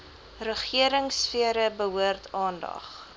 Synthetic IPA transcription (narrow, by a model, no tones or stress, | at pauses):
rəχiəɾəŋsfiəɾəbəɦuərtʰɑːndɐ̰χ